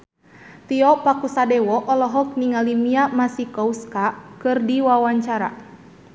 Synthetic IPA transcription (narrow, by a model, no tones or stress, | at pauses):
t̪iɔpakusadɛwɔʔɔlɔɦɔk̚niŋalimiamasikɔuskakɨrdiwawaɲt͡ʃaɾa̰